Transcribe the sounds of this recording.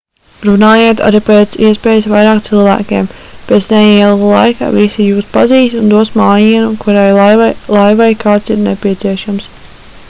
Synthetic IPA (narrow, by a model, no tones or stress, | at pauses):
ɾunaːjeːt̪a̰ɾipeːt̪siɛspeːjɪsʋajɾaːkt̪silˠvæ̰ːkʲḛːmpet̪snɛiɛlˠulˠa̰jka̰visijuːspaziːst̪und̪uɔsmaːjiɛnukuɾajlˠajʋajkaːt̪siɾnḛpiɛt̪siɛʃams